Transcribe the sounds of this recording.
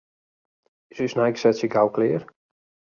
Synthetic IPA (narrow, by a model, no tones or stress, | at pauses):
ɪsysnajksɛtsjəɡawklɪːr